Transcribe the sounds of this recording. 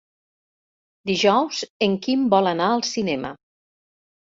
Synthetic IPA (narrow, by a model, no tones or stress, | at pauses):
d̪iʒɔwzəŋkimbɔlənaəlˠsinɛmə̰